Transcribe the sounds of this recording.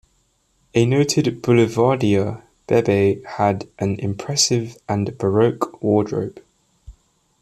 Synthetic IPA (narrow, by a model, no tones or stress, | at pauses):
ənəʊtʰɪdb̥ʊlɪvɑːdiə | b̥ɛbeɪədʔə̃nɪ̰̃mpʰɹ̥ɛsɪvʔə̃nb̥əɹəʊkwɔːdɹə̰ʊp